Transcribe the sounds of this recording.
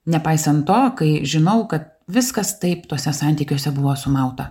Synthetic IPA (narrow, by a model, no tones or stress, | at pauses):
nʲɛpɐɪsɐnt̪t̪oːkɐɪʒʲɪnɐʊkɐt̪̚ | ʋʲɪskɐst̪ɐɪpt̪oːsʲɛsɑˑnʲt̪ʲiːkʲoːsʲɛbʊʋoːsʊmɐʊt̪ɐ